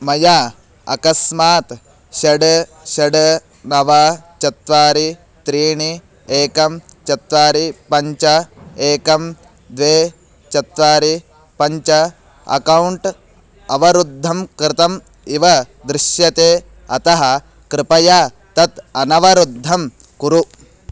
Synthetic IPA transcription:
mɐjaː | ɐ̰kɐsmaːt̪ | ʃɐɖ | ʃɐɖ | nɐʋɐt͡ʃɐt̪ʋaːɾi | t̪ɾiːɳi | eːkɐmt͡ʃɐt̪ʋaːɾipɐɲt͡ʃɐeːkɐm | d̪ʋeː | t͡ʃɐt̪ʋaːɾi | pɐɲt͡ʃɐ | ɐ̰kɐwɳʈ | ɐʋɐɾud̪ʱːɐmkɾɪt̪ɐm | iʋɐ | d̪ɾɪʃjɐt̪eː | ɐt̪ɐɦɐ̆ | kɾɪpɐjaː | t̪ɐt̪ɐnɐʋɐɾud̪ʱːɐm | kuɾu

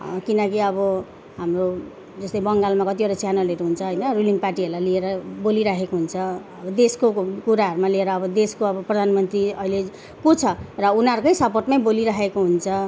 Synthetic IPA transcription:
kinʌkiʌbʌ | ɦamro | d͡zʌst̪ʌjbʌŋɡalmakʌt̪iʌɾat͡sjanʌleɾuɦunt͡sʰʌɦʌjnʌruliŋɡparʈiɦʌrlalieɾʌboliɾakʰekoɦunt͡sʰʌ | ʌbʌd̪eskokuɾaɦʌɾumalieɾʌːbʌd̪eskoʌbʌprʌd̪ʱanmʌnt̪riʌile | kot͡sʰʌrʌunaɾukʌjsʌpoʈmaj̃boliɾakekoɦunt͡sʰʌ

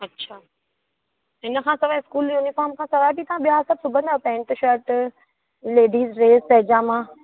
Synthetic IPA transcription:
ɐtːɕʰaː | ɦɪnəkʰãːsɐʋaɪskuːljuːnifaːɾmkʰãːsɐʋaːjpit̪ɐʋãɓijasɐbsʊbʱə̃nd̪apɛ̃ːɳʈ̪ʊʃəɾʈ | leːɖiːzɾeːzpɐɦɪd͡ʑaːmãː

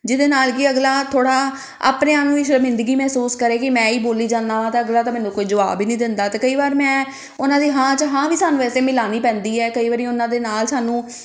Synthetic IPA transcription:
d͡ʒɪd̪eːnaːlkiəɡlaːt̪ʰoːɽaː | a̰ːpneːaːnũːiːʃəɾmɪ̃nd̪əɡiːmɛːsuːskəɾeːkɪmɛ̃ːiːboːliːd͡ʒãːnd̪aːʋãːt̪eəɡlaːt̪aːmɛ̃ːnũːkoːiːd͡ʒʊʋa̰ːbiːnĩːd̪ɪnd̪aːt̪eːkəiːbaːɾmɛ̃ː | ʊnãːd̪iːɦãːt͡ʃəɦãːʋiːsaːnũːʋɛːseːmɪlaːniːpɛ̃ːnd̪iːɛːkəiːʋaːɾiːʊnãːd̪eːnaːlsaːnũː

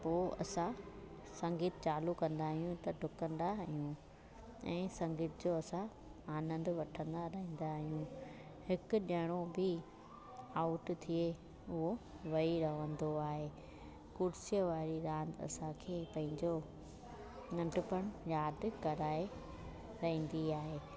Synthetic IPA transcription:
poːʔɐ̰sã | sɐ̃ŋɡiːt̪t͡ɕaːlukɐ̃nd̪aːɦijũt̪ɐɖʱʊkə̃nd̪aɦijũ | ɛ̃ːsɐ̃ŋɡiːt̪ɪd͡ʑoːɐsã | aːnə̃nd̪ʋɐʈʰə̃nd̪aɾɐɦĩːn̆d̪aɦijũ | hɪkʊ̆ɗɐɽ̃obɪ | aːʊʈt̪ʰie | ʊɦo | ʋɐiɾɐʋə̃nd̪oaːɦeː | kʊɽsijəʋaːɾiɾãːnd̪ɐ̰sãkʰeːpɐ̃ɦɪ̃ɲd͡ʑo | nɐ̃ɳʈʊpəɽ̃jaːd̪kɐɾaːe | ɾɐɦĩːn̆d̪iaːɦeː

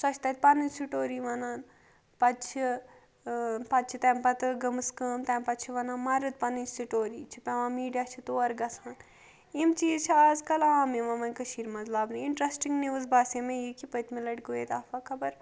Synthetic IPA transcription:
sɐt͡ʃʰt̪ɐt̪̚ʲpɐnɨnʲsiʈoːɾiːʋɐnaːn | pɐtt͡ʃʰi | pɐt̪̚t͡ʃʰit̪ɛmpɐt̪ɨɡɐmɨskəːmt̪ɛmpɐt͡ʃʰiʋɐnaːnmɐɾɨt̪̚pɐnɨnsiʈoːɾiːt͡ʃʰipɛʋãːmiːɖijaːt͡ʃʰit̪oːɐɾɡɐsʰaːn | imt͡ʃiːzt͡ʃʰiaːzkɐlaːmiʋɐmɐnʲkəʃiːɾmɐzlaːbnɨiɳʈɾesʈiŋɡniʋɨzbaːsemẽjikipət̪milɐʈɡojeːt̪aːfɐkʰɐbɐɾ

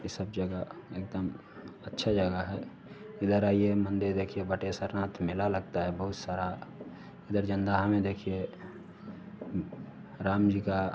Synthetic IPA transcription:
isəb̚d͡ʒəɡaek̚d̪əm | ətːʃʰad͡ʒəɡaɦɛ | ɪd̪əɾaːiemə̃nd̪eɾd̪eːkʰijebəʈesəɾnãːt̪ʰmɪlaləɡ̚t̪aɦɛbəɦʊt̪saːɾa | ɪd̪əɾd͡ʒənd̪aɦamẽd̪ekʰije | ɾaːmd͡ʒika

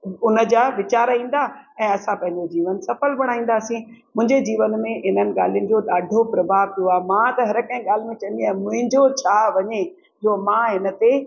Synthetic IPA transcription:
ʊnə̆d͡ʑaːʋɪt͡ɕaːɾĩːn̆d̪aɛ̃ːɐsãpɐ̃ɦɪ̃ɲd͡ʑod͡ʑiːʋənsɐfəlbɐɽ̃aːĩːn̆d̪aːsĩmʊ̃ɦɪ̃ɲd͡ʑed͡ʑiːʋənmẽɪnənɪ̆ɠa̰ːl̤ijʊnɪ̆d͡ʑoːɗ̪aːɖʱopɾɐbʱaːʋt̪ʰijoaːmãt̪ɐɦɐɾkɐ̃ɦĩɠaːl̤ɪmẽt͡ɕɐ̃n̆d̪iaːmʊ̃ɦɪ̃ɲd͡ʑot͡ɕʰaːʋɐɲe | d͡ʑoːmãɦɪnə̆t̪e

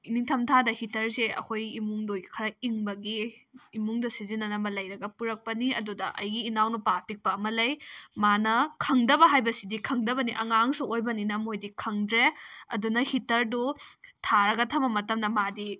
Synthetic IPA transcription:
iniŋtʰɐmtʰadɐhitɐɾseɐ̰kʰojimuŋdojɡkʰɐɾɐiŋbɐɡiːmuŋdɐsizinːɐnɐmɐlɐjɾɐɡɐpuɾɐk̚pɐniɐdudɐ̰ʔɐ̰jɡiːnawnupapik̚pɐːmɐlɐjmanɐkʰɐŋdɐbɐɦajbɐsidikʰɐŋdɐbɐniʔɐŋaŋsuojbɐninɐmojdikʰɐŋdɾeɐ̰dunɐhitɐɾdutʰaɾɐɡɐtʰɐmɐmɐtɐmnɐmadi

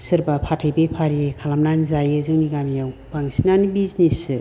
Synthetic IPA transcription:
sɯɾbapʰatʰajbepʰaɾiekʰalamnanzajɯzɯŋniɡamijawbaŋsinanibiznesɯ

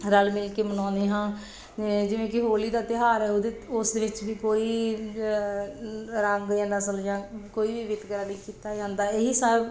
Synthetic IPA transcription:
ɾəlmɪlkeːmənɔ̃ːnd̪eːɦãː | ed͡ʒɪʋẽːkɪɦoːliːd̪aːt̪ɪɦaːɾɛːod̪eʊsd̪eːʋɪt͡ʃʋiːkoːiː | ɾəŋɡjãːnəsəljãːkoːiːʋiːʋɪt̪kəɾaːniːkiːt̪aːd͡ʒãːnd̪aːeɦiːsəb

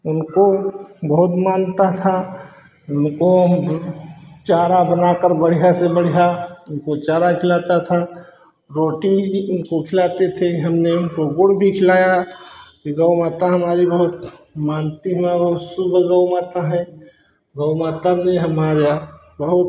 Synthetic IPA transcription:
ʊnkobəɦʊt̪maːnt̪at̪ʰa | ʊnko | t͡ʃaːɾabənakəɾbəɽ̤ijasebəɽ̤ijaʊnkot͡ʃaːɾakʰɪlaːt̪at̪ʰa | ɾoːʈiʊnkokʰɪlat̪et̪ʰeɦəmneɾoɡoɽbʱikʰɪlaːjakiɡəʊmaːt̪aɦəmaːɾibəɦʊt̪maːnt̪iɦəmabəɦʊt̪sʊbʱɡəmat̪aɦɛ̃ | ɡəʊmaːt̪aneɦəmaːɾja | bəɦʊt̪

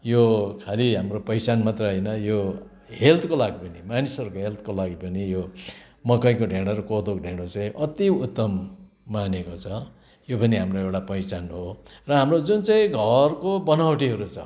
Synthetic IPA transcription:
jokʰaliɦamropʌjt͡sanmat̪rʌɦʌjnʌjo | ɦelt̪ʰkolaɡipʌnimanisʌɾukoɦelt̪ʰkolaɡipʌnijo | mʌkʌjkoɖʱeɽʌɾokod̪okɖʱeɽot͡sʌĩʔʌt̪iut̪ːʌmː | anekot͡sʰʌ | jopʌniɦamroewʈapʌjt͡sanɦorʌɦamrod͡zunt͡sʌĩɡʱʌrkobʌnawʈiɦʌɾut͡sʰʌ

